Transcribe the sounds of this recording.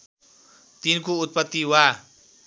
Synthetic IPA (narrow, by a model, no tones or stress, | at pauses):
t̪inkuut̪̚pat̪iwa